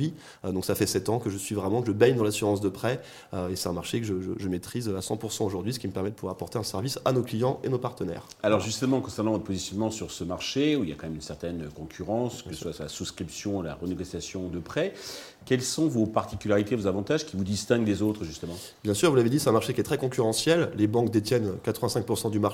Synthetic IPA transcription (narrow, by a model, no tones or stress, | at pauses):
i | d̪ɔ̃ksafɛsɛt̪ɑ̃kəʒəsɥivʁɛmɑ̃kəʒəbɛɲd̪ɑ̃lasyʁɑ̃s̬d̪əpχɛ | øesɛt̪ɛ̃maʁʃekəʒəʒə̰ʒəmet̪χizøasɑ̃puʁsɑ̃oʒuʁd̪ɥis̬ə̥kʲiməpɛʁmɛd̪əpuvwaʁapɔʁt̪eɛ̃sɛʁvisanoklijɑ̃ʔenopaʁt̪ənɛ̰ːʁ | alɔʁʒyst̪əmɑ̃kɔ̃sɛʁnɑ̃vɔt̪χəpozisjɔnmɑ̃syʁsəmaʁʃeuilja̰kɑ̃mɛmynsɛʁt̪ɛnøkɔ̃kʲʰyʁɑ̃skəsəswasla̰suskχipsjɔ̃la̰ʁəneɡosjasjɔ̃d̪əpχɛ | kʲɛlsɔ̃vopaʁt̪ikʲylaʁit̪evozavɑ̃t̪aʒkʲivud̪ist̪ɛ̃ɡlezot̪χʒyst̪əmɑ̃ | bjɛ̃syʁvulaved̪isɛt̪ɛ̃maʁʃekʲiɛt̪χɛkɔ̃kʲyʁɑ̃sjɛlːebɑ̃kd̪et̪jɛnøkat̪χəvɛ̃sɛ̃ŋk̚puʁsɑ̃d̪yma